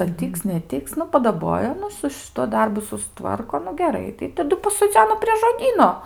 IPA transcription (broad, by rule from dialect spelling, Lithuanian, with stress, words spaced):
ɐr ˈtʲiːks nʲɛˈtʲɪks nʊ pɐdɐˈboːjɛ ˈnʊ sʊ ʃʲɪˈtuɔ ˈdɐrbʊ sʊsˈtʋɐrkoː nʊ ɡʲɛˈrɐɪ tɐɪ tɐˈdʊ pɐsoːˈd͡zʲæːnoː pʲrʲiɛ ʒoːˈdʲiːnoː